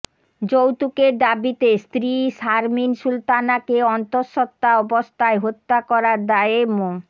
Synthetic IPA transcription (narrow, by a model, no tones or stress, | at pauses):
d͡ʑowt̪ukeɾd̪abit̪est̪ɾiʃaɾminʃult̪anakeɔnt̪oɾʃɔt̪ːaɔbost̪ʰaeɦot̪ːakɔɾaɾd̪aeemo